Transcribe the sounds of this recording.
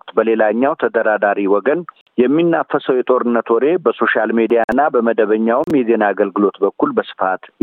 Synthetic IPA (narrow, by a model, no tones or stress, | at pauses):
bəle̞laɲːawt̪ʰəd̪əɾad̪aɾiwɔɡən | jɛmːinːafːəsəwjɛt̪ʼo̞ɾɨnːət̪wɔɾe̞bəso̞ʃalmed̪ijanːabəməd̪əβəɲːawɨmjɛzenaːɡəlɡɨlo̞t̪bəkʰːulbəsɨ̥fat̪